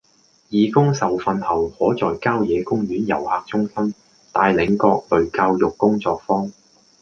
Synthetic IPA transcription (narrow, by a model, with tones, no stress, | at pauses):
jiː˨˧kʊ˥ŋsɐ˨wfɐ˨nhɐ˨˩whɔː˨˥t͡sɔː˨jkaː˥wjɛː˨˧kʊ˥ŋjyː˨˥njɐ̰˨˩whaː˨k̚t͡sʊ˥ŋsɐ˥m | t̪aː˧jlɪ˨˧ŋkɔː˧k̚lɵ˨ɥkaː˧wjʊ˨kːʊ˥ŋt͡sɔː˧k̚fɔː˥ŋ